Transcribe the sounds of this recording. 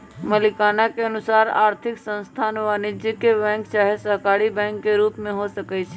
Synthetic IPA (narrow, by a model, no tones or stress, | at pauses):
məlikanakeənusaɾa̰ɾt̪ʰiksə̃ñst̪ʰanʋanid͡ʒikebɛ̃ŋkt͡ʃaɦesəɦkaɾibɛ̃ŋkːeɾupmẽɦosəkɛt͡ʃʰɛ